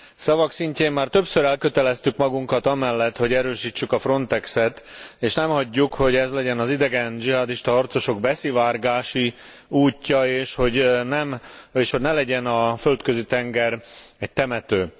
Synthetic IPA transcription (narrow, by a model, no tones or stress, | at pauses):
sɒvɒksiɲceːmːaːrt̪ø̞psøɾɛlkøt̪ɛlɛst̪ykmɒɡuŋkɒt̪ɒmɛlːɛt̪ho̞ɟɛɾøːʃiːt͡ʃːykɒfro̞nt̪ɛksɛt̪eːʃnɛmhɒɟːukho̞ɟɛzlɛɟɛnɒzid̪ɛɡɛnd͡ʒiɦɒd̪iʃt̪ɒɒrt̪so̞ʃo̞ɡ̚bɛsivaːrɡaːʃi | uːcːɒeːʃho̞ɟnɛmeːʃho̞ɟnɛlɛɟɛnɒfø̞lt̪køzit̪ɛŋɡɛrɛc̚t̪ɛmɛt̪øː